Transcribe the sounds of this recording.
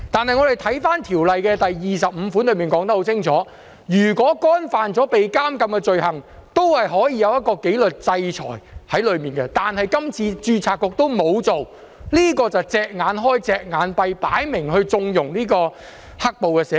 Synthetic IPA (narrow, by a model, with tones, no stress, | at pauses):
t̪aː˨nɦɐ˨jŋɔ˨˧d̪e˨˩jt̪ʰɐ˨˥jfaː˥nt̪ʰiː˨˩wlɐ˨jkɛː˧t̪ɐ˨jjiː˨s̬ɐ˨p̚m̩˨˧fuː˨˥nlɵ˨˧ɥmiː˨nkɔː˨˥ŋt̪ɐ˥k̚ho˧˥wt͡sʰɪ˥ŋt͡sʰɔː˨˥ | jyː˨˩kʷɔː˨˥kɔː˥nfaː˨nt͡sɔː˨˥pe˨jkaː˥mkɐ˧mkɛ˧t͡sɵ˨ɥɦɐ˨˩ŋt̪o˥whɐ˨jɦɔː˨˥jiː˧jɐ˨˧wjɐ˥t̚kːɔː˧ke˨˥jlɵ˨t̚t͡sɐ˧jt͡sʰɔ̰ː˨˩jhɐ˨˥jlɵ˨˧ɥmiː˨nkɛ˧t̪aː˨nhɐ˨jkɐ˥mt͡sʰiː˧t͡ʃyː˧t͡sʰaː˨˩kːɔː˧k̚t̪o˥wmo˨˧wt͡so˨w | liː˥kɔː˧t͡sɐ˨˩wt͡sɛː˨k̚ŋaː˨˧nɦɔː˥jt͡sɛː˨k̚ŋaː˨˧npɐ˨˧jpaː˨˥jmɪ˨˩ŋɦɵ˧ɥt͡sʊ˧ŋjʊ˨˩ŋliː˥kɔː˧ | hɐ˥k̚po˨wkɛː˧sɛː˨˥